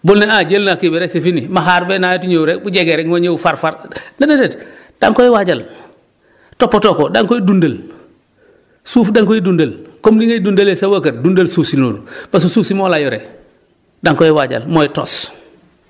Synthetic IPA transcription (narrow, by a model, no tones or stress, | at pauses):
bulneaɟelnakibeɾesefinimaɦaɾbenajotuɲowuɾebuɟeɡeɾeŋoɲeufaɾfaɾnadedetd̥a̰ŋkojiwaɟal | topːotokodaŋkoidundəl | suːfdaŋkoidundəlkomdiŋaidundalesawakat̚dundalsuːsinoːnupas̬usuːsimolajoɾḛ | daŋkojiwaɟa̰lmojito̰ːs